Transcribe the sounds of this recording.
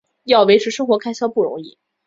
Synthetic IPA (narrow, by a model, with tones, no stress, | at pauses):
jɑ˥˩ʊwe˧˥ɪʈ͡ʂʰɻ̩˧˥ʂɤ˥ŋxwɔ˧˥kʰa˥ɪɕjɑ˥ʊpu˥˩ɻʊ̰˧˥ŋi˥˩